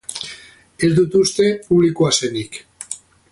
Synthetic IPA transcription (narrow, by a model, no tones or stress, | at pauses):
e̞zd̪ut̪ust̪e̞puβlikuasenik